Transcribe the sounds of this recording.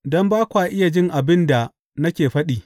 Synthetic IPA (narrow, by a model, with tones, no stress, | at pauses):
dɔ˦mbaː˦kʷaː˨ʔɪ˦ja˨d͡ʒɪ˦ŋʔa˨bɪ˦nda˨ | nɐ˦kʲeː˨ɸɐ˦ɗiː˨